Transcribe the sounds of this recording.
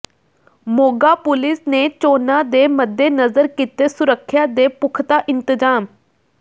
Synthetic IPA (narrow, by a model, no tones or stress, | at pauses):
moːɡaːpʊlɪsneːt͡ʃoːnãːd̪eːməd̪ːeːnəzəɾkiːt̪eːsʊɾəkʰːjaːd̪eːpʊkʰt̪aːʔɪ̃nt̪ɪzaːm